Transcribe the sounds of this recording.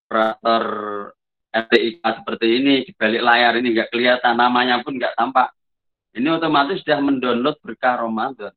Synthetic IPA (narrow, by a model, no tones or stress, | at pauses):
pəɾat̪ɔr | ɛt̪eik̚asə̥pərt̪iːnid̥i̥̤b̥alɪʔlajaɾiniŋɡaʔkəliat̪anːamaɲapʊnŋɡaʔt̪ampaʔ | iniot̪omat̪ɪsdahməndɔnlɔʊt̪̚b̥ərkaɾomand̪ɔn